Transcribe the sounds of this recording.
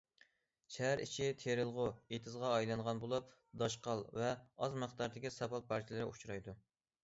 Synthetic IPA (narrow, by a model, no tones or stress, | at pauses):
t͡ʃʰæɦɾḭt͡ʃʰit̪ʰeɾɪlˠʁʊet̪ʰɨzʁɑːjlˠɑŋʁɑnbolˠup̚ | d̪ɑʃqɑlˠvɛɑzmɨχt̪ɑɾd̪ɪkʲisɑpɑl̚pʰɑɾt͡ʃʰilɨɾɪut͡ʃʰɾɑjd̪u